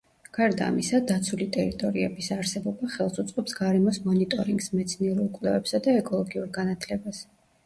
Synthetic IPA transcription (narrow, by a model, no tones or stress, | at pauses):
ɡ̥aɾd̪a̰ːmisad̪at̪sʰulit̪ʼɛɾit̪ʼɔɾiɛ̰bisaɾsɛbɔbaχɛlˠsut̪sʼqʼɛpsɡaɾɛmɔsmɔnit̪ʼɔɾiŋɡsmɛt̪sʰniɛɾulˠkʼwlɛvɛpsad̪aɛkʼɔlˠɔɡiuɾɡanat̪ʰlɛbas